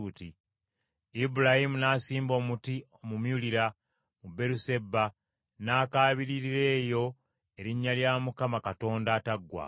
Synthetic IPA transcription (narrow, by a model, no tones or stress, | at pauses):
ti | ibuɾahimunaːsiːmbo̞ːmutiomumjuliɾa | mube̞ɾuse̞bːa | naːkaːβiɾiɾiɾe̞ːjo̞ | e̞ɾiɲːaljaːmukamakato̞ːndaːtaɡːwa̰